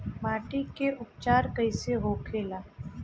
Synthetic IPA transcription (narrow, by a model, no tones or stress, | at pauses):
maːʈikeʔʊpt͡ʃaːɾkəɪseɦokʰeːlaː